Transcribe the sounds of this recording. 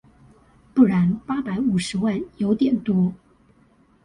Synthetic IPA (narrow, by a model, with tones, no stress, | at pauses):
pu˥˩ɻa˧˥npa˥pa˧˥ɪu˨˩ʂɻ̩˧˥wa˥˩njo˧˥ʊt̪jɛ˨˩nt̪wɔ˥